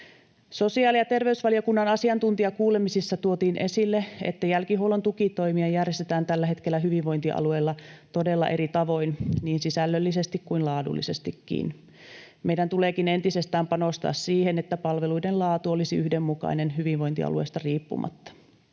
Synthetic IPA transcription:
sosiɑːlijɑt̪e̞rʋeysʋɑlijɑkunːɑnɑsiɑnt̪unt̪iɑkuːlemisisːɑt̪uot̪iːnʔe̞silːeḛt̪ːæjælkiɦowlont̪ukit̪oimiɑjærjest̪et̪æːnt̪ælːæɦet̪kelːæɦyʋiʋʋojnt̪iʔɑ̰lueːlːɑt̪odelːɑ̰ʔe̞ɾit̪ɑʋo̞inniːnsisælːølːisest̪ikkuinlɑːdṵlːḭsest̪ikːḭːn | mejdænt̪uleːkine̞nt̪isest̪æːmpɑnost̪ɑ̰ːssiːhenet̪ːæpɑlʋeluidenlɑːt̪uolisiyhdemːukɑ̰inenɦyʋiʋʋo̞jnt̪iɑ̰luḛːst̪ɑriːpːṵmɑ̰t̪ːɑ̥

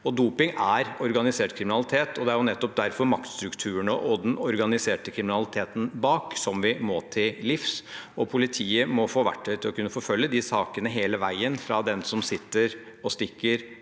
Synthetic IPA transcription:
ɔd̪uːpɪŋæɾɔɾɡɑnɪseːʈkʰɾɪmɪnɑlɪt̪ʰeːt̪ʰɔd̪ɛæɾjʊnɛt̪ːɔp̚d̪æɾfɔɾmɑk̚t̪st̪ɾʉkt̪ʰʉːəɳɔʔɔd̪ɛnɔɾɡɑnɪseːʈəkʰɾɪmɪnɑlɪt̪ʰeːt̪n̩bɑːksɔmʋɪmɔt̪ʰɪllɪfsɔpʰʊlɪt̪ʰiːəmɔfoːʋæ̰ʈʰːœt̪ʰɪlɔkʰʉnːəfɔfœlːjəd̪ɪsɑːkənəɦeːləʋæɪənfɾɑd̪ɛnsɔmsɪt̪ːəɾ | ɔst̪ɪkːəɾ

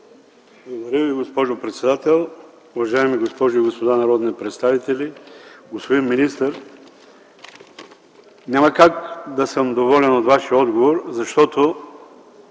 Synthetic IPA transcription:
blˠɐɡod̪ɐɾʲjəviɡospɔʒopɾɛt̪sɛd̪at̪ɛlˠ | ʊvɐʒaɛmiɡospɔʒʊiɡospod̪anɐɾɔd̪nipɾɛt̪st̪avit̪ɛlʲiɡospod̪inminist̪əɾ | nʲamɐkakd̪ɐsəmd̪ovɔlʲɛnot̪vaʃiəɔd̪ɡovoɾzɐʃt̪ɔt̪o

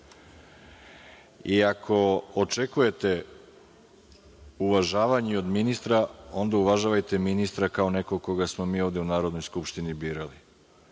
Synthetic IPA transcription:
iakʰo̞ot͡ʂekuje̞t̪e̞ | uʋaʒaːʋaɲio̞d̪minist̪ɾao̞nd̪auʋaʒaʋajt̪e̞minist̪ɾakao̞ne̞koko̞ɡasmo̞miːo̞ʋd̪e̞unaːɾo̞d̪no̞jskupʃt̪inibiːɾali

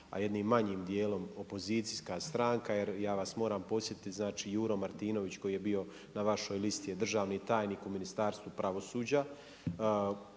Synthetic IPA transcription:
a̰je̞d̪niːmːaɲiːmd̪je̞ːlo̞mo̞po̞ziːt̪siskast̪ɾaŋkaje̞ɾjaːʋasmo̞ːɾaːmpo̞sje̞t̪it̪znaːt͡ʃijuːɾomaɾt̪iːno̞ʋit͡ɕko̞jije̞bijo̞ | naʋaʃo̞jlist̪ijed̪r̩ʒaːʋnit̪aːjniːkuminist̪aːɾst̪ʋupɾaʋo̞suːd͡ʑa

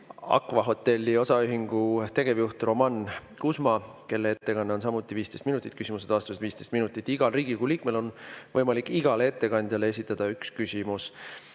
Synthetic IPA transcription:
ɑ̰kːˑvɑɦo̞t̪ːe̞lʲːio̞sɑyɦiŋɡ̥ut̪e̞ɡ̥e̞vjuht̪ro̞mɑnkusmɑke̞lːee̞t̪ːe̞kɑnːeo̞nsɑmut̪ːˑiviːst̪e̞jst̪minut̪ːˑit̪̚kysʲimused̪̥ɑːst̪used̪viːst̪est̪minut̪ːˑit̪ːˑiɡ̥ɑlriːɡ̥iɡuliːk̚me̞lo̞nvɤjmɑlikːˑiɡ̥ɑlee̞t̪ːe̞kɑnʲd̪̥ʲjɑle̞e̞sit̪ːˑɑd̪̥ɑykskysʲimus

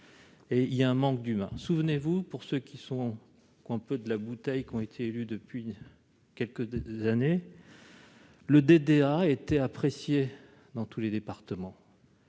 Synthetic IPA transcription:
eiljaɛ̃mɑ̃k̚d̪ymɛ̰̃suvnevupuʁsøkʲisɔ̃ | kwɛ̃pød̪əlabut̪ɛjkɔ̃et̪ʰeːlyd̪əpɥi | kʲɛlkəzane | ləd̪ed̪eaet̪ɛapχesje | d̪ɑ̃t̪uled̪epaʁt̪əmɑ̃

